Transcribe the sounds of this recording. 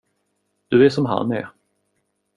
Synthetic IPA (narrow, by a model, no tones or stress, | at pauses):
d̪̥ɵɛʂɔmɦa̰nɛ̰ɾ